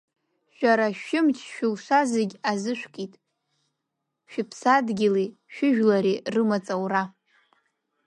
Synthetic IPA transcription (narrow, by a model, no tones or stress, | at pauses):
ʃᶣaɾaʃɪmt͡ʃʰʼʃᶣɪlʃʷazeɡʲazɨʃᶣʷkʼitʼ | ʃᶣɪpʰsadɡʲɪli | ʃᶣɪʒᶣlaɾirɨmat͡sʼawra